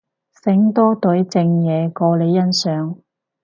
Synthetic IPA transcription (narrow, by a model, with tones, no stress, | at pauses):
sɪ˨˥ŋt̪ɔː˥t̪ɵ˨˥ɥt͡sɪ˧ŋjɛː˨˧kɔː˧le˨˧jjɐ˥nsœː˨ŋ